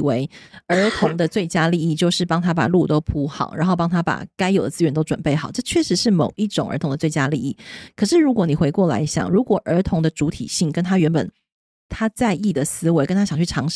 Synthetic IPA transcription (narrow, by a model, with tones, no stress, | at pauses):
we˧˥ɪə˞˧˥t̪ʰʊ˧˥ŋd̪ə˧t͡swe˥˩ɪt͡ɕja˥li˥˧i˥˩t͡ɕjo˥˧ʊʂɻ̩˥˩pɑ˥ŋt̪ʰa˥pa̰˨˩lu˥˩t̪o˥ʊpʰu˥xɑ̰˨˩˦ʊɻʔa˧˥nxo˥˩ʊp̬ɑ˥ŋt̪ʰa˥pa̰˨˩ka˥ɪjo˨˩ʊd̪ə˦t͡sɹ̩˥ɥɛ˧˥nt̪o˥ʊʈ͡ʂwə˨˩npe˥˩ɪxɑ˨˩˦ʊʈ͡ʂɤ˥˧˩t͡ɕʰɥɛ˥˩ʂɻ̩˧˥ʂɻ̩˥˩mo˨˩ʊʔi˥˩ʈ͡ʂʊ˨˩ŋə̰˧˥t̪ʰʊ˧˥ŋd̪ə˧t͡swe˥˩ɪt͡ɕja˥li˥˧i˥˩kʰɤ˨˩ʂɻ̩˥˩ɻu˧˥kwɔ˧˥ni˨˩xwe˧˥ɪkwɔ˥˩la̰˧˥ɪɕjɑ̰˨˩ŋɻu˧˥kwɔ˨˩ʔə˞˧˥t̪ʰʊ˧˥ŋd̪ə˧ʈ͡ʂu˧˥t̪ʰḭ˨˩ɕi˥˩ŋkə˥nt̪ʰa˥ɥɛ˧˥npə̰˨˩n | t̪ʰa˥t͡sa˥˧ɪi˥˩d̪ə˩sɹ̩˥we˧˥ɪkə˥nt̪ʰa˥ɕjɑ˨˩ŋt͡ɕʰy˥˩ʈ͡ʂʰɑ˧˥ŋʂ